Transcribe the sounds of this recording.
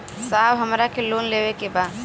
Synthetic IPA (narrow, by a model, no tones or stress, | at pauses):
sabɦəmɾakelonlebekeba